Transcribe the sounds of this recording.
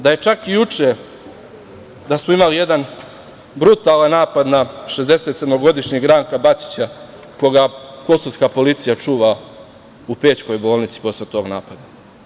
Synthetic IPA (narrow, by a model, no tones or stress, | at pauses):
d̪aje̞t͡ʃakijut͡ʂe | d̪asmoimalije̞d̪an | bɾut̪aːlˠanːaːpad̪naʃezd̪e̞se̞t̪sed̪mo̞ɡo̞d̪iʃɲiɡɾaːŋkabat̪t͡ʃ̪i̥t͡ɕa | ko̞ɡako̞soskapo̞lit̪sijat͡ʂuːʋa | upeːt͡ɕko̞jbo̞ːlˠnit̪si̥po̞slet̪o̞ːɡnaːpad̪a